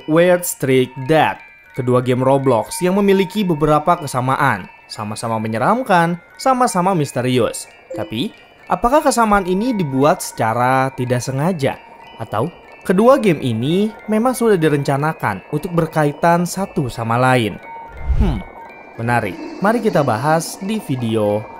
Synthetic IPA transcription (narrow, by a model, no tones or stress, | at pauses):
wɛlt̪st̪ɾik̪̚dat̪̚ | kəduaɡɛmroblɔksjaŋməmilikibəbəɾapakəsamaʔa̰n | sa̰masamaməɲəɾamkan | samasamamist̪əɾiʊ̰s | t̪api | ʔapakahkəsamaːninidibuat̪̚sə̥t͡ʃaɾat̪idaʔsəŋad͡ʒa̰ | ʔat̪a̰w | kəduaɡɛmʔḭnimemaŋsudahdiɾəɲt͡ʃanaka̰nunt̪ʊk̚bərkait̪ansat̪usamalaɪnhm̩ | bənaɾɪ̰maɾikit̪abaɦasdifideo